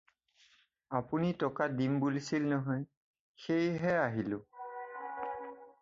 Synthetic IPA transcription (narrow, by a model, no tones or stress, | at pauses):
apunitɔkadimbulisilnɔɦɔj | xejɦɛaɦilʊ̃